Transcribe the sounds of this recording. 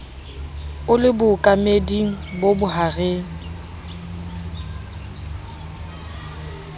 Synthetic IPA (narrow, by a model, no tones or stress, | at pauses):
ʊlɪbʊkʼamediŋ̩bobʊɦaɣeŋ̩